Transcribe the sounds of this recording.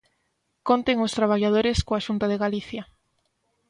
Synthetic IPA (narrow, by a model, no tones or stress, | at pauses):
kont̪eŋʊst̪ɾaβ̞aʎað̞oɾeskoaʃunt̪aðeɣaliθja